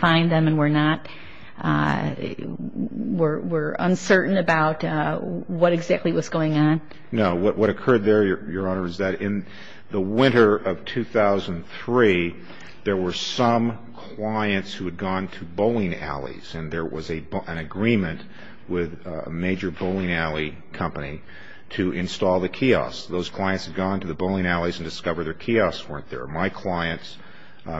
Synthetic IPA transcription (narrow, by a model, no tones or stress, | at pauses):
fãɪ̃nðɨ̃mɨ̃nwə˞nət̚ | wɪɹwɪɹə̰̃nsɜ˞ʔn̩ɨbaʊt | wʌɾɨɡzæk̚tˡliwʌzɡ̥oʊɪ̃ŋə̃n | noʊwʌʔ̚wʌɾɨkʰɜ˞d̪̚ðə˞jə˞jə˞ɑnə˞ɨzðɨɾɪ̃n | ðəwɪ̃ɾ̃ə˞ʔʌv̥tʰʉθaʊzɨ̃n̩θɹi | ðə˞wə˞sʌ̃m | kʰl̥aɪɨ̃ntshʉɨd̚ɡɔ̃ntʰɨboʊlˠɪ̃ŋæ̰lˠḭz̥ɨ̃nðə˞wʌ̰zɨɨ̃nɨɡɹĩmɨ̃nʔ | wɪðə̰meɪd͡ʒə˞boʊlˠɪ̃ŋælˠi | kʰʌ̃mpəni | ɾɨʔɨ̃nstɔlˠðɨkʰiɑ̰sðoʊz̥kʰl̥aɪɨ̃ntshɨd̚ɡɔ̃ntɨðɨboʊlˠɪ̃ŋælˠizn̩dɨskʌvə˞d̪ðə˞kʰiɑswɜ̃˞nðə̰˞maɪkʰl̥aɪɨ̃nts